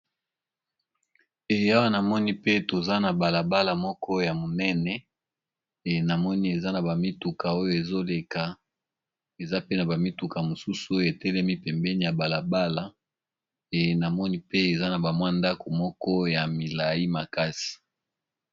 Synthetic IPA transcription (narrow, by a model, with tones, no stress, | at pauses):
e˨ja˦wa˦na˨mɔ˦ni˦pe˦to˨za˦na˨ba˨la˨ba˦la˨mɔ˦kʰɔ˦ja˨mo˨nɛ˦nɛ˨ | e˨na˨mɔ˦ni˦e˨za˦na˨ba˨mi˦tu˨ka˨o˦jo˦e˨zo˦le˨ka˨ | e˨za˦pe˦na˨ba˨mi˦tu˨ka˨mo˨su˦su˨o˦jo˨e˨tɛ˦lɛ˦mi˦pɛ˨mbɛ˦ni˨ja˨ba˨la˨ba˦la˨ | e˨na˨mɔ˦ni˦pe˦e˨za˦na˨ba˨mwa˦nda˦ko˨mɔ˦kɔ˦ja˨mi˨la˨ji˦ma˨ka˦si̥˨